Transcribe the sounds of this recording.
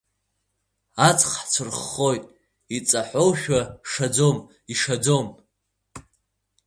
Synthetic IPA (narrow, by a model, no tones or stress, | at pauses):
at͡sʰʼχħt͡sʷʰɨrχːo̞jtʼ | it͡sʼaħʷo̞wʃᶣaʂad͡zo̞m | iʂad͡zo̞m